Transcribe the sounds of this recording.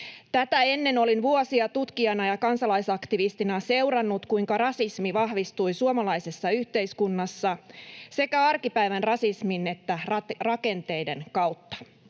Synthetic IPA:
t̪æt̪æe̞nːe̞no̞linʋuosiɑt̪ut̪kiɑnɑjɑkɑnsɑlɑjsɑkt̪iʋist̪inɑse̞wɾɑnːut̪kuiŋkɑrɑsismiʋɑhʋist̪ujsuomɑlɑjsesːɑyçt̪e̞jskunːɑsːɑse̞kæɑrkipæjʋænrɑsismine̞t̪ːærɑke̞nt̪e̞jde̞nkɑuwt̪ːɑ̥

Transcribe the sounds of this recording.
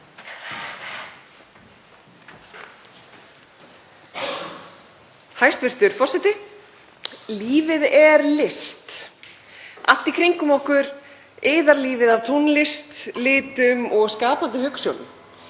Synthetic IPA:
hajst̪vɪr̥t̪ʏɾ̥fɔrsɛt̪ɪ | liːvɪðɛɾlɪst̪ | ʔa̰l̥t̪ikʰɾiŋkʏmoːwkʏɾ | ɪːðaɾliːvɪðavt̪ʰunlɪst̪lɪːt̪ʏmɔɣskaːpant̪ɪhʏksjowlʏ̰m

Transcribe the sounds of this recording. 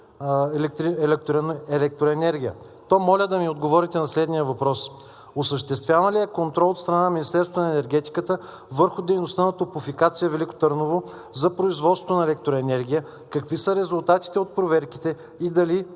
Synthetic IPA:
ɛlɛk̚t̪ɾiɛlɛk̚t̪ɾnɛlɛk̚t̪ɾoɛnɛɾɡʲijə | t̪ɔmɔlʲəd̪ɐmiod̪ɡovɔɾit̪ɛnɐslɛd̪nijəvɐpɾɔs | osəʃt̪ɛst̪vʲjavəliɛkont̪ɾɔlˠot̪st̪ɾɐnanɐmʲinist̪ɛɾst̪vonɐɛnɛɾɡ̟ɛt̪i̥kət̪ə | vɤɾxʊd̪ɛjnost̪anɐt̪opʊfikat̪sijəvɛliko̥t̪əɾnovo | zɐpɾoizvɔt̪sŏ̥t̪nɐɛlɛk̚t̪ɾoɛnɛɾɡ̟ʲijə | kɐkvisəɾɛzʊlˠt̪at̪i̥t̪ɛot̪̚pɾovɛɾki̥t̪ɛ | id̪ɐli

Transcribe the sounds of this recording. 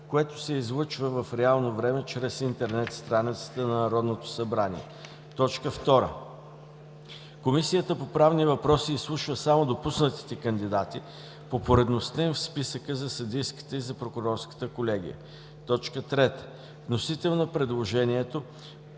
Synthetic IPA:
koɛt̪o̥sɛizlˠɤt͡ʃvəvəfɾɛalˠnovɾɛmɛt͡ʃɾɛsint̪ɛɾnɛt̪st̪ɾanit̪sə̥t̪ənɐnɐɾɔd̪not̪o̥sɐbɾanḭɛ̰ | t̪ɔt͡ʃkəft̪ɔɾə̰ | komisijət̪əpopɾavnivɐpɾɔsiːslˠuʃvəsamod̪opusnət̪i̥t̪ɛkənd̪id̪at̪i | popoɾɛd̪nost̪əĩnfspisəkəzɐsɐd̪ijski̥t̪əizɐpɾokʊɾɔɾskə̥t̪əkolɛɡ̟ḭə̰ | t̪ɔt͡ʃkət̪ɾɛt̪ə̥ | vnosit̪ɛlˠnopɾɛd̪lˠoʒɛniɛt̪o

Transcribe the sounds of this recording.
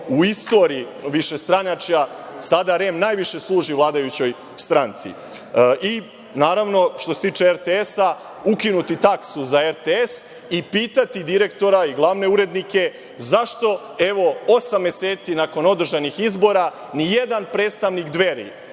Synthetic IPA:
uist̪o̞ɾiiʋiʃe̞st̪ɾanat͡ʃjasad̪aɾemnaːjʋiʃe̞slˠuːʒivlˠaːd̪ajut͡ɕo̞j | st̪ɾant̪sḭ | i | naːɾaʋno̞ʃt̪oset̪iːt͡ʂeeɾt̪eesa | ukinut̪it̪aksuzaeɾt̪ees | ipiːt̪at̪id̪iɾekt̪o̞ɾaiɡlˠaʋne̞uɾe̞d̪nike̞ | zaʃt̪o̞ | e̞ʋo̞o̞samːje̞seːt̪sinako̞no̞d̪r̩ʒanixizbo̞ɾa | nije̞d̪anpɾeːt̪st̪aʋnikd̪ʋe̞ɾḭ

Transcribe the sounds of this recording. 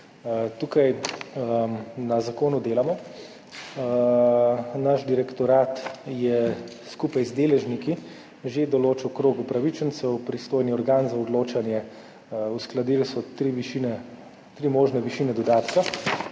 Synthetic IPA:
t̪uːkaj | nazakoːnud̪eːlamɔ | naʃd̪iɾɛkt̪ɔɾaːt̪jɛskuːpajzd̪eːlɛʒniki | ʒed̪ɔloːt͡ʃɛwkɾoːɡupɾaʋit͡ʃənsɛwpɾist̪oːjniɔɾɡaːnzaɔd̪loːt͡ʃanjɛ | usklad̪ilsɔt̪ɾiʋiʃinɛ | t̪ɾimoːʒnɛʋiʃiːnɛd̪ɔd̪aːt̪ka

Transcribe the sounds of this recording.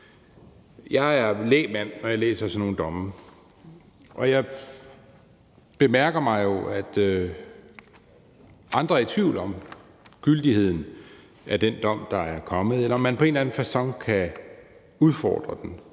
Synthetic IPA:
jɑ̈ɪæɐlḛːmæn̰ːɒjäɪlḛːsɐsɒno̝ːn̩d̥ɒ̽mə | ʔɒ̽jɑ̈ɪ | b̥e̝mæɐɡ̥ɐmɑ̈ɪjo̝æd̥ø | ʔɑ̈nd̥ʁɐɐt͡sʰʋiʊ̰lɒ̽m | ɡ̥yld̥ihe̝ð̞̰ˠn̩ | æɐd̥end̥ɒ̽m̰d̥ɑ̈æɐkʰɒ̽mð̩ˠelɐɒmːænpʰɒ̽e̝ːnlæn̩fæɐsɒ̽ŋ̰kʰæ | uð̞ˠfɒ̰ːd̥ʁɐd̥en

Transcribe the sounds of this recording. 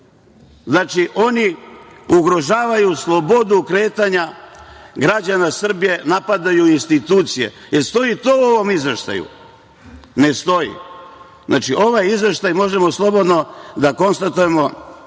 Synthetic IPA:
znaːt͡ʃiʔo̞niuɡɾo̞ʒaːʋajuslˠo̞bo̞d̪ukɾe̞ːt̪aɲa | ɡɾad͡ʑanasr̩bije̞napad̪ajuinst̪it̪uːt̪sije̞̰jeɾst̪o̞jit̪o̞ːuo̞ʋo̞mizʋe̞ʃt̪a̰jṵ | nest̪o̞jḭ | znaːt͡ʃiʔo̞ʋajizʋe̞ʃt̪ajmo̞ʒemoslˠo̞bo̞d̪no̞d̪ako̞nst̪at̪uje̞mo̞

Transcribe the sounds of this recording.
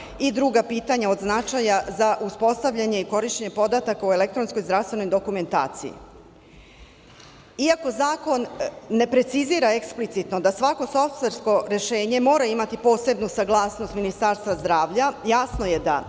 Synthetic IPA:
id̪ɾuːɡapiːt̪aɲao̞d̪znat͡ʃajazaʔuspo̞st̪aʋʎaɲe̞iko̞ɾiʃt͡ɕeɲepo̞d̪at̪akaue̞le̞kt̪ɾo̞nsko̞jzɾafst̪ʋe̞no̞jd̪o̞kume̞nt̪a̰ːt̪sḭjḭ | iako̞zaːko̞nːe̞pɾe̞t̪siziːɾae̞ksplit̪sit̪no̞d̪asʋako̞so̞ft̪ʋe̞ɾsko̞ɾe̞ʃe̞ːɲe̞mo̞ːɾaimat̪ipo̞ːse̞bnusaɡlˠaːsno̞st̪minist̪aɾst̪ʋazd̪ɾaːʋʎajaːsno̞je̞d̪a̰

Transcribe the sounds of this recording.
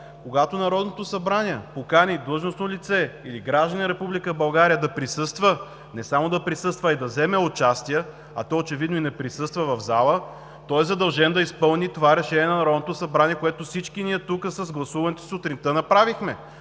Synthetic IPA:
koɡat̪onɐɾɔd̪not̪osɐbɾanʲiɛpokanʲid̪əlˠʒnosnolʲit̪sɛiliɡɾaʒd̪ɐninəɾɛpublʲikəbɐlˠɡaɾijəd̪ɐpɾisɤst̪və | nɛsamod̪ɐpɾisɤst̪vɐid̪ɐzɛmɛot͡ʃast̪ijə | ɐt̪ɔot͡ʃɛvid̪noinɛpɾisɤst̪vəvɐvzalˠə | t̪ɔɛzɐd̪ɐlˠʒɛnd̪ɐispɤlˠnit̪ovaɾɛʃɛniɛnɐnɐɾɔd̪not̪ʊsɐbɾaniɛkoɛt̪ofsit͡ʃkiniɛt̪ukəsɐzɡlˠɐsuvɐnɛt̪o̥sot̪ɾint̪ənɐpɾavixmɛ

